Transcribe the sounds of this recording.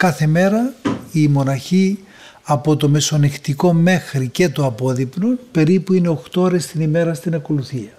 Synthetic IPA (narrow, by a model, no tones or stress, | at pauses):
kɐθe̞me̞ɾɐimo̞nɐçi | ɐpo̞t̪o̞me̞so̞nixt̪iko̞me̞xɾice̞t̪oɐpo̞ðipnope̞ɾipuine̞o̞xt̪ooɾe̞st̪inime̞ɾɐst̪inɐko̞luθiɐ